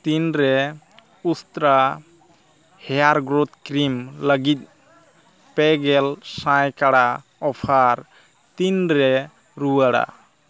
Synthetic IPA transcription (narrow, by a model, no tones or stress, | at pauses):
t̪inɾɛ | ust̪ɾa | hɛjaɾɡɾot̪̚kɾimləɡit̪̚ˀ | pɛɡɛlsãjkaɽa | ɔpʰaɾ | t̪inɾɛ | ɾuaɽa̰